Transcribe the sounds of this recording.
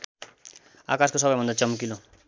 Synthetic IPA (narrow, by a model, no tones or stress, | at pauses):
a̰kaskosʌbʌjbʱʌnd̪at͡sʌmkilo